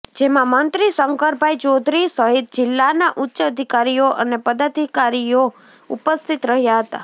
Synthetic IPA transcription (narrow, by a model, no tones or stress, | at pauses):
d͡ʒemãmənt̪ɾisəŋkəɾbʱajt͡ʃod̪ʱɾisəɦit̪̚d͡ʒɪlːanaʔutːʃəəd̪ʱikaɾijoʔə̰nepəd̪ad̪ʱikaɾijo | upəst̪ʰit̪ɾəɦjaɦət̪a̰